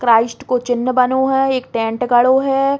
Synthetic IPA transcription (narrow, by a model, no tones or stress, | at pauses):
kɾaːɪsʈkot͡ʃɪnːəbɐnoɦɛ̃eːk̚ʈẽːɳʈɡɐɽoɦɛ